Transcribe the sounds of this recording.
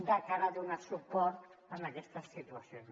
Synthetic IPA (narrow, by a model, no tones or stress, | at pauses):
d̪akaɾad̪unat̪supɔrt̪ənakɛst̪əsːit̪uasion